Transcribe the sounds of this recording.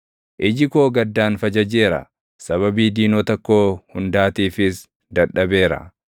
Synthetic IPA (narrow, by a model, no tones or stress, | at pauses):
ʔɪd͡ʒɪkoːɡɐd̪ːaːnfɐd͡ʒɐd͡ʒe̞ːɾɐ̰ | sɐβɐbiːd̪iːnoːt̪ɐkːo̞ːhʊnd̪aːt̪iːfɪs | d̪ɐᶑɐbe̞ːɾɐ̰